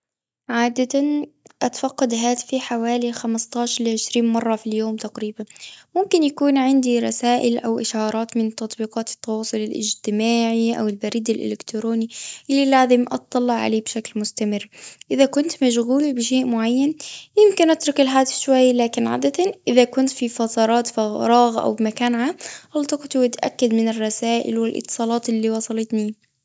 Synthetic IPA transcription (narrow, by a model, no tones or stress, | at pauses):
ʕaːd̪at̪anʔat̪fɑqːɑd̪ɦaːt̪ɪ̥fiħawaːlixamɪst̪ˤɑːʃɑɾlʕɪʃɾiːnmɑrˤːɑfiljoːmt̪aɡɾiːbanmʊmkɪnjakuːnʕɪnd̪iɾˤɑsaːʔɪlʔawʔɪʃɑːɾˤɑːt̪mɪnt̪ːɑt̪ˤbiːqɑːt̪ɪ̥t̪ːɑwɑːsˤʊlɪlʔɪ̰d͡ʒt̪ɪmaːʕiʔa̰wɪlbaɾiːd̪ɪlʔɪ̰lɪkt̪ɾoːniʔɪlːilaːzɪmʔɑ̰t̪̚ˤːɑlːɑʕa̰leːbʃaklmʊst̪amɪrːʔɪðakʊnt̪maʃɣuːlbɪʃeːʔmʊʕajːanjɪmkɪnʔat̪ɾʊkɪlħaːd̪ɪsʃwajːlaːkɪnʕa̰ːd̪at̪anʔɪðakʊnt̪fifɑt̪ˤɑɾˤɑːt̪faɾˤɑːɣʔa̰wbmakaːnʕaːmʔɑlt̪ˤɑqt̪wɪt̪ʔa̰kːad̪mɪnɪrˤːɑsaːʔɪ̰lwɪlʔɨ̰t̪ːɨ̥sˤɑːlɑːt̪ɪlːiwɑsˤɑlɪt̪ni